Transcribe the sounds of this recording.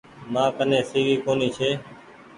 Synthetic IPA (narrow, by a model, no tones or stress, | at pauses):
mãːkənẽːsiːɡiːkoːniːt͡ʃʰeː